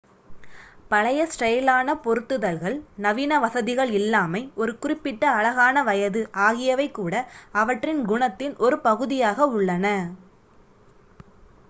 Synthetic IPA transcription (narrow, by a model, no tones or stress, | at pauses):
pɐɭɐjɐsʈɐjlaːnɐpɔɾɯt̪ːɯðɐlɣɐɭnɐʋiːnɐʋɐsɐðɪɣɐɭɪlːaːmɐɪʔɔɾɯkʊrɪpːɪʈːɐːɭɐɣaːnɐʋɐjɐðɯʔaːɣɪjɐʋɐɪkːuːɽɐɐʋɐʈrɪnɡʊɳɐt̪ːɪnʔɔɾɯpɐɣɯðɪjaːɣɐʊɭːɐnɐ